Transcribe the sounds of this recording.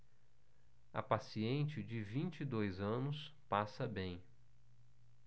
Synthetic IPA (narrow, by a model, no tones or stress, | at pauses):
ɐ̰pasiẽnt͡ʃɪd͡ʒɪvĩnt͡ʃid̪ojzɐ̃nʊs | pasɐbẽj̃